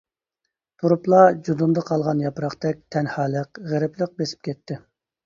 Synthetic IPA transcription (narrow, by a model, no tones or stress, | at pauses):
t̪ʰuɾuplˠɑd͡ʒud̪und̪ɑqʰɑlˠʁɑnjɑpɾɑχt̪ɛk̚ʲt̪ʰɛnhɑːlˠəqʁɛɾɪplˠəq̚besɪ̥p̚kʲʰɛt̪ʰːɪ